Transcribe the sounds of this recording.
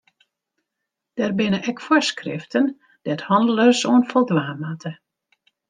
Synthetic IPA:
d̥ɛrbɪnəʔɛkfɔskrɪ̰ftən | d̥ɛthɑndəlˠəsoənfɔlˠdʋaːmatʰə

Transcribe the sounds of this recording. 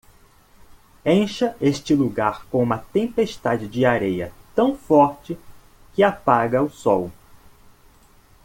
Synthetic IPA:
ẽʃɐeʃt͡ʃɪluɡaɾkõũmɐt̪ẽpeʃt̪ad͡ʒɪd͡ʒɪaɾejɐ̰t̪ɐ̃w̃fɔɾt͡ʃɪ | kɪapaɡɐʊsɔw

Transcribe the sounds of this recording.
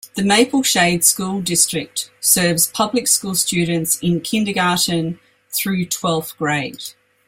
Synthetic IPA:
ðəmeɪpəlˠʃeɪd̥skuːlˠdɪstɹ̥ɪk̚tsɜːvz̥pʰʌblɪkskuːlˠst͡ʃʉːdⁿə̃n̩tsɪ̃nkʰɪ̃ndəɡɑˑʔə̃n̩ | θɹʉːtʰw̥ɛlˠfɡ̥ɹeɪd̥

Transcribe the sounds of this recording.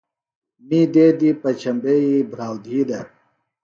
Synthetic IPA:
mid̪eːd̪ipɐt͡ɕʰɐmbeibʱɾaːwd̪ʱiːd̪ɐ

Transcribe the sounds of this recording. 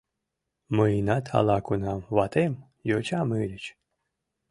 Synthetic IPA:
məinat̪ha̰lˠakʰunamvat̪ʰem | jot͡ʃʰamɨlʲət͡ɕ

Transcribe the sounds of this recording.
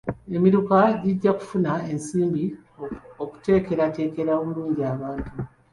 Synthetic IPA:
e̞miɾukaɟiɟːaku̥funaensiːmbi | oku̥te̞ːke̞ɾate̞ːke̞ɾaomuɾuːɲɟiaβaːntu

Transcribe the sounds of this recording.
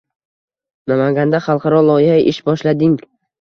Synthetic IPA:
namaŋɡʲand̪aχɑlˠqʰɑɾɒlˠɒɪhaʔɪʃbɒʃlad̪ɪŋ

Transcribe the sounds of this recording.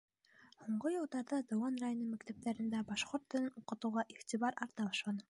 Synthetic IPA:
huɴɢojɤ̆lˠd̪ɑɾðɑd̪ɤ̆wɑnrajonɤmækt̪æp̚t̪æɾɘ̆nd̪æbɑʃqoɾt̪ːɵ̆lɘnuqɤ̆t̪ɤ̆wʁɑʔiχt̪ʲiβɑɾɑɾt̪ɑbɑʃlˠɑnɤ

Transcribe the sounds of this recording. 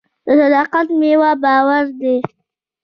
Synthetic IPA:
d̪̥əsad̪ɑqat̪mewɑbɑwaɾd̪e

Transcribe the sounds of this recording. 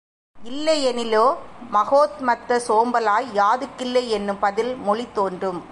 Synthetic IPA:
ɪlːɐjɛnɪloːmɐɣoːt̪mɐt̪ːɐsoːmbɐlaːjjaːðɯkːɪlːɐɪɛnːɯmpɐðɪlmɔɭɪt̪ːoːndrɯm

